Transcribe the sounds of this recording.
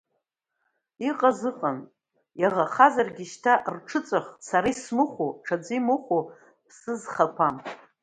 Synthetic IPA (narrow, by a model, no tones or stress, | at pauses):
iqʼazɨqʼan | jaʁaχazarɡʲiʃtʰaʔrʈ͡ʂʰɨt͡sʼaχsaɾajsmɨχʷoʈ͡ʂʰad͡zʷimɨχʷo | pʰsɨzχapʷʰam